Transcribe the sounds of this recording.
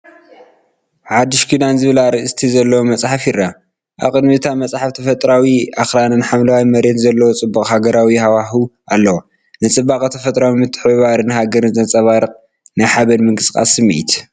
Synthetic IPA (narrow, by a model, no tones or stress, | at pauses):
ʕad̪ːɨʃkʰid̪anzɨβɨlaɾɨʔɨst̪ʰizɐlːɐwomɐt͡sʼħafirːa | ʔa̰βkʼɨd̪mɨt̪ʰamɐt͡sʼħaft̪ʰɐfɐt̪ʼɾawiaxɾanɨnħamlawaimɐɾet̪zɐlːɐwot͡sʼɨbːukʼhaɡɐɾawihawaɦuʔalːɐwo | nɨt͡sʼɨbːakʼɐt̪ʰɐfɐt̪ʼɾawimɨt̪ʰːɨ̥ħβaɾɨnɨɦaɡɐɾɨnzɐnt͡sʼɐβaɾɨqʼ | nɨħaβɐnmɨŋkʼɨskʼa̰sɨmːiʔit̪